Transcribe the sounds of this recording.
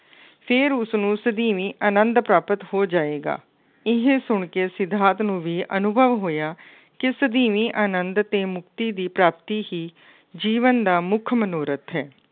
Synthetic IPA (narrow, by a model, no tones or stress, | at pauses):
pʰɪɾʊsnũːsəd̪iːʋiːʔaːnənd̪pɾaːpət̪hoːd͡ʒaːeːɡa̰ː | ɪɦẽːsʊɳkeːsɪd̪ʱaːt̪nũːʋiːʔənʊbʱəʋɦoːjaː | kɪsəd̪iːʋiːʔaːnənd̪t̪eːmʊk̚t̪iːd̪iːpɾaːp̚t̪iːɦiː | d͡ʒiːʋənd̪aːmʊkʰmənoːɾət̪ɦɛː